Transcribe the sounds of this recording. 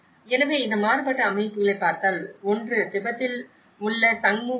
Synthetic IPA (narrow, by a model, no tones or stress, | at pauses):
ɛnɐʋeːɪnd̪ɐmaːɾɯbɐʈːɐɐmɐɪpːɯlɐɪpːaːɾt̪aːlɔndrɯt̪ɪbɐt̪ːɪl | ʊɭːɐsɐŋmu